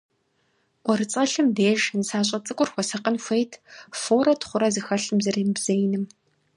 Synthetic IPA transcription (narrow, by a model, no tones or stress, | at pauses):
ɔrɨt͡sʼɐɬɨmdeːʒnsaːɕ̬ʼɐt͡sʼɨkʷʼʊrxʷɔsɐqənxʷejtʰfoːɾɐtʰχʷʊɾɐzɨxɐɬɨmzɐrembz̥ejnɨm